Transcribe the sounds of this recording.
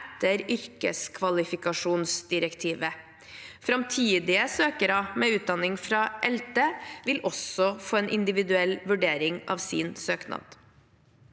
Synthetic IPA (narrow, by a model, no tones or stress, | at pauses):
ɛt̪ːəɾʏɾkə̰skʰʋɑlɪfɪkɑʂuːnsd̪ɪɾəkt̪ʰiːʋə | fɾɑmt̪ʰiːd̪ɪəsøːkəɾɑmeːʉːt̪̚d̪ɑnɪŋfɾɑːʔɛlt̪əʋɪlʔɔsɔfoːeːnʔɪ̰nd̪ɪʋɪd̪ʉɛlʋʉɖeːɾɪŋɑ̰ːʋsḭːnsøːknɑ̰d̪̥